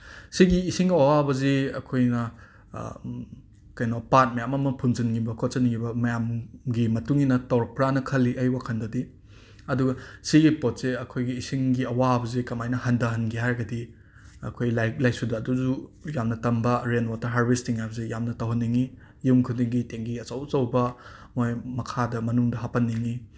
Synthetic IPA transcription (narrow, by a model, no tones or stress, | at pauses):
siɡiːsiŋɐwabɐziɐ̰kʰojnɐ | kɐjnopat̚mɐjamɐmɐpʰuŋzinɡibɐkʰot̚t͡ʃɐnŋibɐmɐjamɡimɐtuŋinɐtawɾk̚pɾanɐkʰɐlːiʔɐjwakʰɐndɐdi | ɐduɡɐsiɡipot̚seɐkʰojɡiːsiŋɡiɐwaɐbɐzikɐmajnɐhɐndɐɦɐnɡiɦaɾɡɐdi | ɐ̰kʰojlajlajsudɐːduzujamnɐtɐmbɐɾenwotːɐɦaɾbistiŋajbɐzejamnɐtɐwɦɐnːiŋi | jumkʰudiŋɡiteŋɡiɐt͡ʃɐwt͡ʃɐwbɐmojmɐkʰadɐmɐnuŋdɐɦapɐnːiŋi